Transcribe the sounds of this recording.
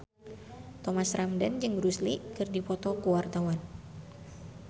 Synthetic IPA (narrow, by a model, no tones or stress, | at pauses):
t̪ɔmasramdand͡ʒɨŋɾuslikɨrdipɔt̪ɔkuwart̪awan